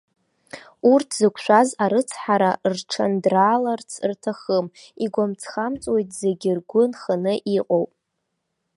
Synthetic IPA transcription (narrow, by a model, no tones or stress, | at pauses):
urtʰzɨkʷʰʃʷᶣazaɾɨt͡sʰħaɾarʈ͡ʂʰandraːlart͡sʰrtʰaχəmiɡʷamt͡sʰχamt͡sʼwe̞jtʰze̞ɡʲɪrɡʷʊnχanɨʔiqʼowpʼ